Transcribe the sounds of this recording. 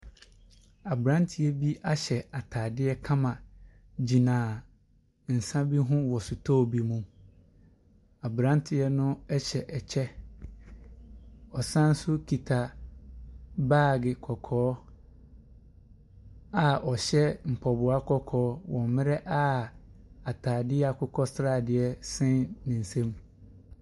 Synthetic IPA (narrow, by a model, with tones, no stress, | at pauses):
a˨bɾã˦n˦tʰɪ˨ɛ˦bi˦ʔa˦ɕɛ˨a˨tʰa˨dɪ˦ɛ˦kʰã˦mã˨ | d͡ʑi˨nãː˨ | n̩˨sã˦bi˦ɦʊ̃˦wɔ˨sʊ˨tʰɔ˦˨bi˨mũ˦m | a˨bɾã˦ntʰɪ˦ɛ˦nʊ̃˦ɛ˦ɕɛ˨ʔɛ˨t͡ɕʰɛ˦ | ɔ˨sã˦n̩˦sʊ˦kʰi˨tʰa˨ | baː˦˨ɡɪ˨kʰɔ˨kʰɔː˦ | a˨ʔɔ˨ɕɛ˦m̩˨pʰɔ˨bʊ˨a˦kʰɔ˦kʰɔː˨˦wɔ̃˨m˨mɪ̃˦ɾɛ˦ʔa˦ | a˨tʰaː˨dɪ˦ɛ˦a˨kʰʊ˦kʰɔ˦sɾa˦˨dɪ˨ɛ˦sɛ̃˦nnɪ̃˨n̩˨sẽ˦m